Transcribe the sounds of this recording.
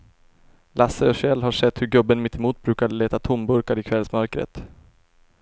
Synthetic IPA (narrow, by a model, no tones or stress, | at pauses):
lʔasəɔɕɛlːɦaʂɛt̪ːhɵɾɡɵbːənmɪt̪ʰːɛmuːt̪̚bɾʉ̟ːkad̪əleːt̪at̪ʰʊmbɵɾkaɾɪkʰvɛlsmœɾkɾə̰t̪